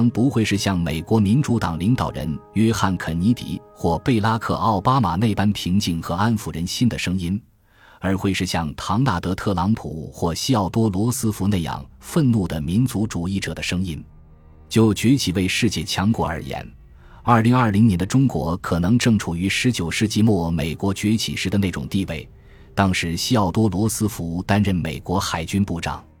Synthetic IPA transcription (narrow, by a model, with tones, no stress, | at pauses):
ŋpu˧˥xwe˥˧ɪʂɻ̩˥˧ɕjɑ˥˩ŋme˨˩ɪkwɔ˧˥mi˧˥nt͡su˧˥t̪ɑ˨˩ŋli˧˥ŋt̪ɑ˨˩ʊɻə̰˧˥njɛ˥xa˥˩nkʰə˨˩nni˧˥t̪ḭ˨˩˦ | xwɔ˥˧pe˥˩ɪla˥kʰɤ̰˥˧ɑ˥˩ʊpa˥ma˨˩ne˥˩ɪpa˥npʰi˧˥ŋt͡ɕi˨˩ŋxɤ˧˥a˥nfu˨˩ɻə˧˥nɕi˥nd̪ə˨ʂɤ˥ŋi˥n | ə˞˧˥xwe˥˧ɪʂɻ̩˥˧ɕjɑ˥˩ŋt̪ʰɑ˧˥ŋna˥˩t̪ɤ˧˥t̪ʰɤ˥˩lɑ˧˥ŋpʰṵ˨˩˦xwɔ˥˩ɕi˥ɑ˥˩ʊt̪wɔ˥lwɔ˧˥sɹ̩˥fu˧˥ne˥˩ɪjɑ̰˨˩ŋfə˥˧nlu˥˩d̪ə˩mi˧˥nt͡su˧˥ʈ͡ʂu˨˩i˥˩ʈ͡ʂɤ̰˨˩d̪ə˦ʂɤ˥ŋi˥n | t͡ɕjo˥˩ʊt͡ɕɥɛ˧˥t͡ɕʰi˨˩we˥˧ɪʂɻ̩˥˧t͡ɕjɛ˥˩t͡ɕʰjɑ˧˥ŋkwɔ˧˥ə̰˞˧˥jɛ̰˧˥n | ə˞˥˩li˧˥ŋɐ˞˥˩li˧˥ŋnjɛ˧˥nd̪ə˧ʈ͡ʂʊ˥ŋkwɔ̰˧˥kʰɤ˨˩nɤ˧˥ŋʈ͡ʂɤ˥˩ŋʈ͡ʂʰu˨˩y˧˥ʂɻ̩˧˥t͡ɕjo˨˩ʊʂɻ̩˥˧t͡ɕi˥˧mwɔ˥˩me˨˩ɪkwɔ˧˥t͡ɕɥɛ˧˥t͡ɕʰḭ˨˩ʂɻ̩˧˥d̪ə˧ne˥˩ʈ͡ʂʊ̰˨˩ŋt̪i˥˧we˥˩ɪ | t̪ɑ˥ŋʂɻ̩˧˥ɕi˥ɑ˥˩ʊt̪wɔ˥lwɔ˧˥sɹ̩˥fu˧˥t̪a˥nɻə˥˩nme˨˩ɪkwɔ˧˥xa˨˩ɪt͡ɕy˥npu˥˩ʈ͡ʂɑ̰˨˩˦ŋ